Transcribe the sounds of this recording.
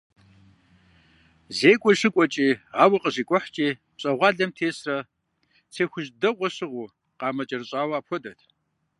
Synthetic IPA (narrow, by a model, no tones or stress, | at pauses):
zeːkʷʼɔɕɪkʷʼɔt͡ʃʼiːʁaːwɐqəʑiːkʷʼɔħt͡ʃʼiːpɕʼɐʁʷɑːɮɐmtʰeːsrɐ | t͡sʰeːxʷʊʒdɐqʷɔɕɨʁʷʊː | qɑːmɐt͡ʃʼɐrɨɕʼaːwɐaːpʰxʷɔdɐtʰ